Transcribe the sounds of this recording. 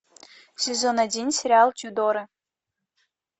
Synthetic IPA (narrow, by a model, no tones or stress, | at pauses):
sʲezonadʲinʲsʲeɾʲalˠtʲyd̪oɾə